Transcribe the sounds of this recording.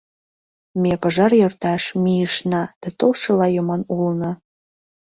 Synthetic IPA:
mepɤ̆ʒɑrjort̪ɑʃmijəʃnɑd̪̥æt̪olʃɤ̆lɑjomɑnulnɤ̆

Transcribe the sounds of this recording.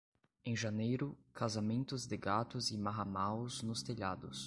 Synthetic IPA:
ẽj̃ʒanejɾʊkʰazamẽnt̪ʊzd̪ɪɡat̪ʊzɪmaɦamawznʊst̪eʎad̪ʊ̰s

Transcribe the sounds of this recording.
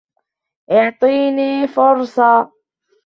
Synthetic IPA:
ʔʊʕt̪ˤiːniːfʊɾˤsˤɑ

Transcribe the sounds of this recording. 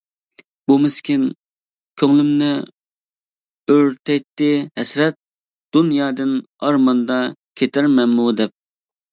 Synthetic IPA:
bumɪskʲin | kʲʰøŋlymnɪ | øɾt̪ʰɛjt̪ːɪhɛsɾɛt̪̚ | d̪̥unjɑːd̪ɨn | ɑɾmɑnd̪ɑkʲʰet̪ʰɪɾmɛmmud̪ɛp̚

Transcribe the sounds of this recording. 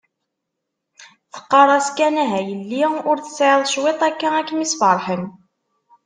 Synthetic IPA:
θə̥qːɑɾˤɑskænæɦæjəlːiʊɾθə̥sʕeðˤʃwet̪ˤækːæækːmisfɑɾˤħən

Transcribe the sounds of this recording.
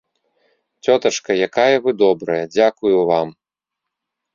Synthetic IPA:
t͡sʲɔt̪ɐʂkɐjakajɐvɨd̪ɔbɾɐjɐd͡zʲakujuvam

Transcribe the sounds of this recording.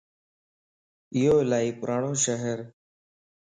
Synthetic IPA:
ɪjoːlaːiːpʊɾʔaːɳõːʃəɦəɾ

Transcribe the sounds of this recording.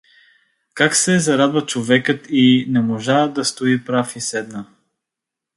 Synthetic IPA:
kaksɛzɐɾad̪vɐt͡ʃovɛkət̪inɛmoʒad̪ɐst̪oipɾafisɛd̪nə

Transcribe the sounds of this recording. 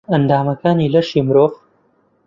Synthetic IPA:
ɐnd̪aːmɐkaːnilɐʃimɾoːf

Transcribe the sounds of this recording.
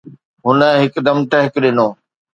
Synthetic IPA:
ɦʊnəɦɪkd̪ɐmt̪ɐɦɪkɗɪnoː

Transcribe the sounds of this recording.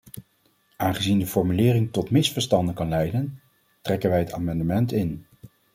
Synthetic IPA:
ʔaːnχəzindəfɔɹmylɪːrɪŋtɔtmɪsfəɹstɑndənkɑnlɛjdən | trɛkənʋɛjɦətaːmɑndəmɛntɪn

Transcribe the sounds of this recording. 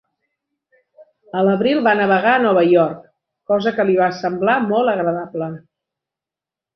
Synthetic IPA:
ələβɾilˠβanəβəɣ̞aənɔβ̞əjɔɾk | kːɔzəkəliβasəmblamɔlˠəɣɾəðablə

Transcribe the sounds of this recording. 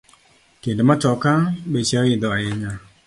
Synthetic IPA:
kendemat͡ʃɔkabet͡ʃaɪd̪ɔaɛɲa

